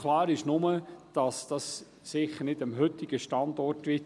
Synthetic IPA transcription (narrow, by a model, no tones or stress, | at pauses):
klɑːɾɪʃnʊməd̥ɑsd̥ɑsː | ɪχəɾnɪdəmɦʏtɪɡ̥əʃtɑndɔrtʋɪ